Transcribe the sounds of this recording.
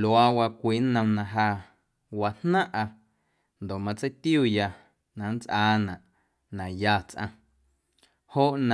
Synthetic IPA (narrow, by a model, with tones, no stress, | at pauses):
lwa˧wa˧kʷiː˨˦nə̃˧mnã˧ɦaː˧ | wa˧nnã˦ʔa˧ | nd̪o˨ʔmã˧t͡se˦jt̪juː˦˨ja˧ | nã˨nt͡sʔaː˧˦nã˨ʔ | nã˨ja˧˨t͡sʔã̰˧ | ho˦ʔnã˨